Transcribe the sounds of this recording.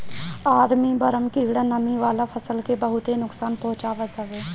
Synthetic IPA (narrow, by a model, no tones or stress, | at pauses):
aːɾmiːbəɾəmkiːɡɽaːnəmiːʋaːlaːpʰəsəlkeːbəɦʊt̪eːnʊksaːnpɔʊt͡ʃaːʋəzəʋeː